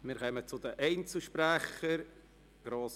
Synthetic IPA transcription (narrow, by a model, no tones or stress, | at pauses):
mɪːɾχœmət͡sʊd̪əʔɛɪnt͡sl̩ʃpɾæχəɾ | ɡ̥ɾoːs